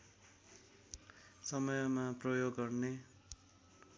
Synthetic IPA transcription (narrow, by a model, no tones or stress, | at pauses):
sʌmʌjʌmaprʌjoɡːʌrne